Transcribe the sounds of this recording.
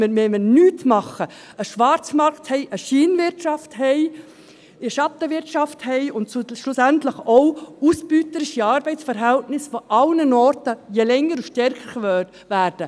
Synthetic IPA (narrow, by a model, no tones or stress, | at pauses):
əmɛmənyːtmɑχə | əʃʋɑɾt͡smɑɾkthɛɪʔəʃiːnvɪɾʃɑfthɛɪ | iʃɑtːəʋɪɾtʃɑfthɛɪʊntʃlʊsæntləχɔʊusb̥yːtəɾɪʃiɑːɾbɛɪt͡ssfəɾɦæltnɪsfɔʔɑlnənɔːɾtəjɛlɛŋːəɾuʃtɛɾkəɾʋøːt | ʋæːɾd̥ə